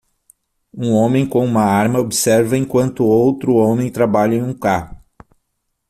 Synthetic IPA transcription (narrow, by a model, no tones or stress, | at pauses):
ũõmẽj̃kõũmɐaɾmɐobisɛɾvɐẽkwɐ̃nt̪ʊowt̪ɾʊõmẽj̃t̪ɾabaʎɐẽũkahʊ